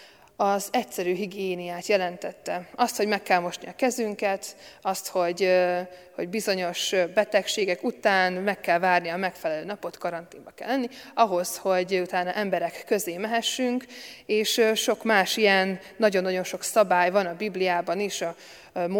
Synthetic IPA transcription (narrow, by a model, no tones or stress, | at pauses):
ɒzɛcsɛɾyːɦiɡijeːnijaːt̪jɛlɛnt̪ɛt̪ːɛɒst̪ho̞ɟmɛkːɛlmo̞ʃniɒkɛzyŋkɛt̪ɒst̪ho̞ɟ | ho̞̰ɟbizo̞ɲo̞ʃbɛt̪ɛkʃeːɡɛkut̪aːnmɛkːɛlvaːrnijɒmɛkfɛlɛløːnɒpo̞t̪kɒɾɒnt̪iːmbɒkɛ̰lːɛnːiɒɦo̞sho̞ɟut̪aːnɒʔɛmbɛɾɛkːø̞zeːmɛɦɛʃːyŋkeːʃʃo̞kmaːʃijɛnː | ɒɟo̞nːɒɟo̞nʃo̞ksɒbaːjvɒnɒbiblijaːbɒneːʃɒ | mo